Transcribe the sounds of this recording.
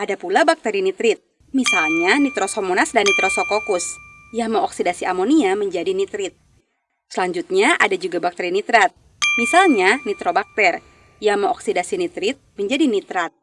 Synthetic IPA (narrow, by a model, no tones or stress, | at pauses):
adapulabak̚t̪ɛɾinit̪ɾɪt̪̚ | misalɲanit̪ɾosomonasdanːit̪ɾosokokʊs | jaŋməŋɔksidasiʔamoniaməɲd͡ʒadinit̪ɾɪt̪̚ | səlaɲd͡ʒut̪̚ɲaʔadad͡ʒuɡabak̚t̪eɾinit̪ɾat̪̚ | misalɲanit̪ɾobak̚t̪ɛr | jaŋməŋɔksidasinit̪ɾɪt̪̚məɲd͡ʒadinit̪ɾat̪̚